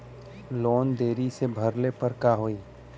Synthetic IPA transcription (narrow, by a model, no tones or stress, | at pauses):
loːnd̪eːɾisebʱɐɾlepəɾkaːɦoiː